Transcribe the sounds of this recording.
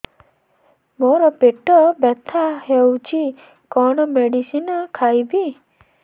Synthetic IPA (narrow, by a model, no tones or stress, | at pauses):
moɾɔpeʈɔbɛt̪ʰaɦewt͡ʃʰi | kɔɽ̃ɔmeɖisinɔkʰajbi